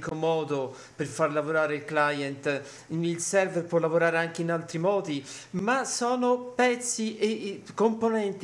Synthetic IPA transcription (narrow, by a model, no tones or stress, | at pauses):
komɔːd̪o | perfarlavoɾaːɾeilklajɛnt̪ | ilsɛrvɛrpwɔlːavoɾaːɾeaŋk̟einalt̪ɾimɔːd̪imasɔːnopɛt̪sːiʔekːomponɛnt̪